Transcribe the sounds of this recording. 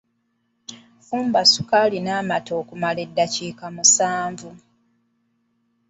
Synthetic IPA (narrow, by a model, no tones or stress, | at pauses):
fuːmbasukalinaːmato̞ːkumaledːaciːkamusaːɱvu